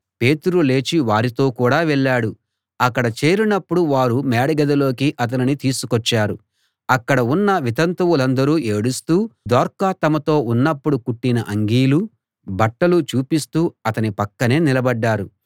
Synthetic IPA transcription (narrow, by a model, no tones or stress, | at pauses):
pe̞ːt̪uɾule̞ːt͡ʃiʋaːɾit̪o̞ːkuːɽaːʋɛɭːaːɽu | ɐkːɐɽɐt͡ʃeːɾinɐpːuɽuʋaːɾumɛːɽɐɡɐd̪ɐlo̞ːkiʔɐt̪̬ɐninit̪iːsukɔt͡ʃːaːɾu | ɐkːɐɽɐunːɐʋit̪ɐnt̪ɐwulɐnd̪ɐɾuːʔeːɽust̪uːd̪ɔːɾkat̪ɐmɐt̪o̞ːunːɐpːuɽukuʈːinɐʔɐŋɡiːlu | bɐʈːɐlut͡ʃuːpist̪uːɐt̪ɐnipɐkːɐne̞ːnilɐbɐɖːaːɾu